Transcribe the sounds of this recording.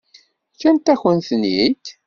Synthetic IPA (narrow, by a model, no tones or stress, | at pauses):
kænt̪æçənθənid̪